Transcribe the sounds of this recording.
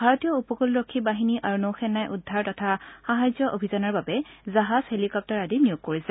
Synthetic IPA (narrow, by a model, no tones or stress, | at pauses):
bʱaɹɔtijɔupɔkulɹokʰːibaɦiniʔaɹunowxɛnːajʔudʱːaɹtɔtʰaxaɦazjɔʔobʱizɔnaɹbabɛzaɦaz̥helikɔp̚tɔɹadinijoɡ̚kːoɹisɛ